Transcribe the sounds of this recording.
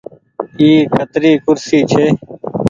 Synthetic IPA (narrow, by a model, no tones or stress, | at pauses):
iːkət̪ɾiːkʊɾsiːt͡ʃʰeː